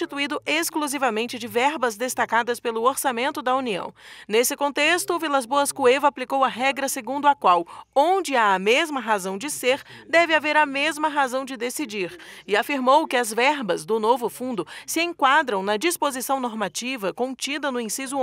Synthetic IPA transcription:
t͡ʃit̪uid̪ʊʔeskluzivɐmẽnt͡ʃɪd͡ʒɪvɛɾbɐzd̪est̪akad̪ɐspelʊoɾsamẽnt̪ʊd̪ɐuniɐ̰̃w̃nesɪkõnt̪est̪ʊvilazboɐskuevɐːplikowɐɦɛɡɾɐseɡũnd̪ʊɐkwawõd͡ʒɪaɐmezmɐɦazɐ̃w̃d͡ʒɪseɾd̪ɛvɪaveɾɐmezmɐɦazɐ̃w̃d͡ʒɪd̪esid͡ʒiɾɪafiɾmowkɪɐzvɛɾbɐzd̪ʊnovʊfũnd̪ʊsɪẽŋkwad̪ɾɐ̃w̃nɐd͡ʒispozisɐ̃w̃noɾmat͡ʃivɐkõnt͡ʃid̪ɐnʊĩsizʊ

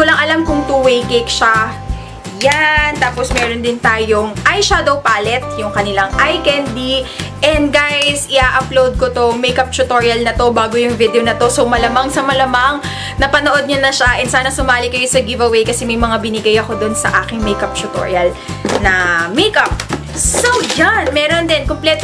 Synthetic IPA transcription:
kʊlɐŋʔɐlamkʊŋt̪uwɛjkekʃa | jant̪aːposmɛɾond̪ɪnt̪aːjoŋʔajʃad̪ɐwpaːlɛt̪̚jʊŋkɐnɪlaŋʔajkɛnd̪iʔɛnd̪̚ɡajsɪʔaːʔɐplowd̪̚kot̪o̞mɛjkɐp̚t͡ʃʊt̪oɹjɐlnɐt̪o̞baːɡojʊŋvɪd̪ɛonɐt̪o̞somɐlɐmaŋsɐmɐlɐmaŋ | nɐpɐnoʔo̞d̪̚ɲɐnɐʃaʔɛnsaːnɐsʊmaːlɪkɐjosɐɡɪvɐwejkɐsɛmɐjmɐŋabɪnɪɡajɐko̞d̪onsɐ̰ʔaːkɪŋmejkɐp̚t͡ʃʊt̪o̰ɹjɐl | nɐmejkɐp̚ | sowd͡ʒanmɛːɾo̞nd̪ɛnkomplɛt̪

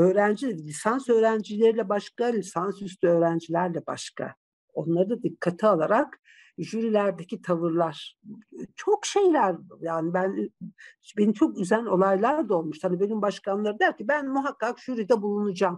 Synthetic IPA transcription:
ø̞ːɾænd͡ʒilʲisansø̞ːɾænd͡ʒilʲe̞ɾilʲɛbaʃkalʲisansyst̪ʰyø̞ːɾænd͡ʒilʲæɾlʲɛba̰ʃkʰa̰ | o̞nlˠaɾɯd̪ad̪ikʰːat̪ʰialˠaɾak | ʒyɾilʲæɾd̪ecʰit̪ʰavɯɾlˠaɾ̥t͡ʃʰokʃe̞jlʲæɾjaːnibæn | benimt͡ʃʰo̞kyzæno̞lˠajlˠaɾd̪ao̞lˠmuʃt̪ʰad̪ibe̞nymbaʃkʰanlˠaɾɯnd̪æɾcibænmuɦakːakʒ̥yɾid̪ɛbulˠunud͡ʒaːm

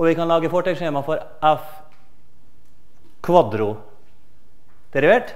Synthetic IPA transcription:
ɔʋɪkɑnlɑːɡəfɔʈɛɡʂeːmɑfɔɾ | ɛf | kʰʋɑd̪ɾʊ | d̪̥ɛɾɪʋeːʈ

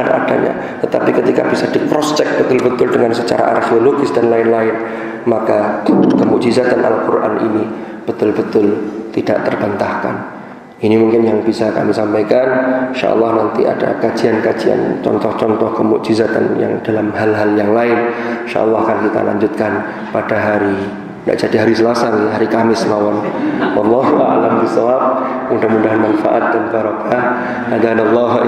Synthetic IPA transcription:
anʔa̰da̰ɲa̰ | t̪ət̪apikət̪ika̰bisadikɾɔst͡ʃɛk̚b̥ət̪ʊlbət̪ʊldəŋansət͡ʃa̰ɾa̰ʔa̰rxeoloɡɪsd̥anlaɪnlaɪn | makakəmuʔd͡ʒizat̪anʔa̰lkurʔa̰nʔḭni | b̥ət̪ʊlbət̪ʊlt̪ida̰ʔt̪ərbant̪ahka̰n | ʔinimuŋkɪnjaŋbisaka̰misampajkanʃa̰ʔɔ̰lˠːɑhnant̪ia̰da̰kad͡ʒiankad͡ʒia̰nt͡ʃɔ̰nt̪ɔht͡ʃɔnt̪ɔhkəmṵʔd͡ʒizat̪a̰nja̰ŋdalamɦalɦaljaŋlaɪnʃa̰ʔɑ̰lːɑhkankit̪a̰la̰ɲd͡ʒʊt̪̚kan | padaɦaɾi | ŋɡa̰ʔd͡ʒadiɦaɾisəlasanɦaɾikamɪsmawanwɑlːɑɦua̰lamkisawap̚ | udamudaɦanmanfa̰ʔat̪̚dankaɾɑka | adanalːɑɦ

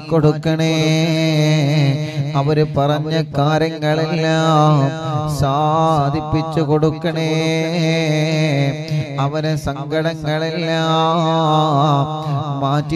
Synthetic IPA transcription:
koɽukːɐɳeː | ɐʋɐɾupɐrɐɲːɐkaːɾjɐŋːɐɭelːaːmsaːd̪ʱipːit͡ɕːukoɽukːɐɳeː | ɐʋɐnesɐŋɡʱɐɽɐŋːɐɭelːaː | maːtː

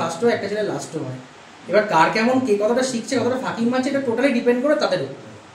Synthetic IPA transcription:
asʈoeɛk̚ʈad͡ʑʰelela̰sʈoɦɔe | ebaɾkaɾkɛmonkekɔt̪ʰaʈaʃikt͡ɕʰekɔt̪ʰoʈafʰakiŋmat͡ɕʰeeʈaʈoʈaliɖipeɳɖkoɾet̪ad̪eɾo

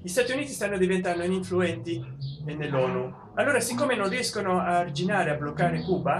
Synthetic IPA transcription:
ʎist̪aːt̪iuniːt̪ist̪anːod̪ivent̪and̪oiniɱfluɛnt̪ienːelːɔːnu | alːoːɾasikːoːmenõnriɛskonoaːrd͡ʒinaːɾeablokːaːɾekuːba

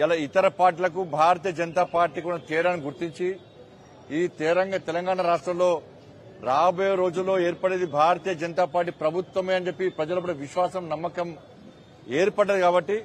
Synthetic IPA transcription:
alɐit̪ɐɾɐpaːɾʈ̬ilɐk̬ubʱaːɾɐt̪̬iːjɐd͡ʒɐnt̪aːpaːɾʈːiːkunɐt̪iːɾaːniɡuɾt̪iɲt͡ʃi | iːt̪iːɾɐŋɡaːt̪ɛlɐŋɡaːɳɐɾaːʂʈɾɐmlo̞ː | ɾaːbɐjɐɾo̞ːd͡ʒulːo̞ːeːɾpɐɽeːd̪ibʱaːɾɐt̪iːjɐd͡ʒɐnt̪aːpaːɾʈːipɾɐbʱut̪ʋɐmeːɐnd͡ʒepːipɾɐd͡ʒɐlɐpːuɽɐʋiʃʋaːsɐmnɐmːɐkɐm | eːɾpɐɽːɐd̪ikaːbɐʈːi

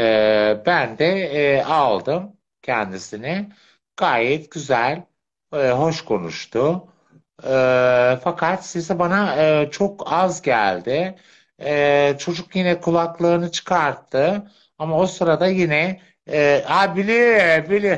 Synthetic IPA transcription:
ɛːbænd̪ɛːalˠd̪ɯm | cʰɛnd̪isinɪ | ɡ̥aːjɛt̪ɟ̥yzælʲ | ɦo̞ʃkʰo̞nṵʃt̪ʰʊ | fakʰat̪sisɛbanaɯːt͡ʃʰo̞kazɟæ̰lʲd̪ɪ | t͡ʃʰo̞d͡ʒukjinɛkʰulˠaklˠɯːnɯt͡ʃʰɯ̥kʰaɾt̪ʰːɯ | amao̞sɯɾad̪ajinɛː | abilʲibilʲɪ

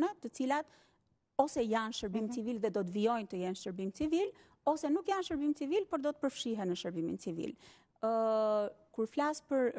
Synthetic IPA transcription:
nɛt̪ət͡silat̪ | ɔsɛjanʃəɾbimt͡sivilðɛd̪ɔt̪viɔjnt̪əjɛnʃəɾbimt͡sivil | ɔsɛnukjanʃəɾbimt͡sivilpɔɾd̪ɔt̪ə̥pəɾfʃiɦɛnəʃəɾbimḭnt͡sivḭl | kuɾflaspəɾ

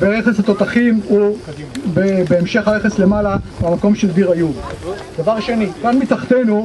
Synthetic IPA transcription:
beʁeχesat̪o̞t̪aχimu | bebeːmʃe̞χhaʁeχesle̞malabamako̞mʃeld̪iʁajuv | d̪̥avaʁʃe̞nikanmit̪aχt̪enu

